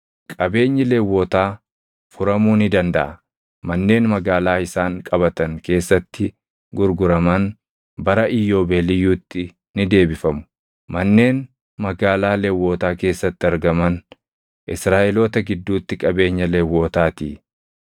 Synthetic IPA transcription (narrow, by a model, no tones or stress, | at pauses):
kʼɐbe̞ːɲːɪleːwːoːt̪aː | fʊɾɐmuːnɪd̪ɐnd̪ɐʔɐ | mɐnːe̞ːnmɐɡaːlaːɪsaːŋkʼɐbɐt̪ɐŋke̞ːsːɐt̪ːɪ | ɡʊɾɡʊɾɐmɐn | bɐɾɐʔɪjːo̞ːbeːlɪjuːt̪ːɪ | nɪd̪e̞ːbɪfɐmʊ̥ | mɐnːe̞ːn | mɐɡaːlaːlewːo̞ːt̪aːke̞ːsːɐt̪ːɪɐɾɡɐmɐn | ʔɪsɾaːʔɛlo̞ːt̪ɐɡɪd̪ːuːt̪ːɪkʼɐbe̞ːɲːɐleːwːo̞ːt̪aːt̪iː